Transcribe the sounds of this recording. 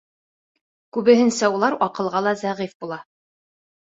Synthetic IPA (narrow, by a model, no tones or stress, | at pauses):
kʉβɘ̆ɦɘ̆nsæulˠɑɾɒqɤ̆lˠʁɑlˠɑzæʁifbulˠɑ